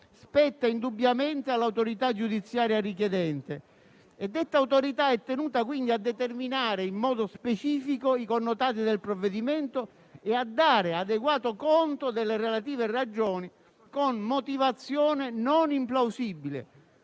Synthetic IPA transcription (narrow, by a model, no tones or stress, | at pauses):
spɛt̪ːaind̪ubːjament̪ealːawt̪oɾit̪ad͡ʒːud̪it̪sːjaːɾjarik̬jɛd̪ɛnt̪e | ed̪ːet̪ːawt̪oɾit̪aɛt̪ːenuːt̪akwind̪iad̪ːet̪erminaːɾeimːɔːd̪ospet͡ʃiːfikoikonːot̪aːt̪̬id̪elpɾovːed̪iment̪o | ead̪ːaːɾead̪eɡwaːt̪okont̪od̪elːerelat̪iːvɪrad͡ʒoːni | konmot̪ivat̪sːjɔːnɪnonimplawsibilɪ̰